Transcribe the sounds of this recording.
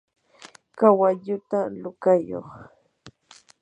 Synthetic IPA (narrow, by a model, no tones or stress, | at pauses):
kawaʎʊt̪alʊkajo̰χ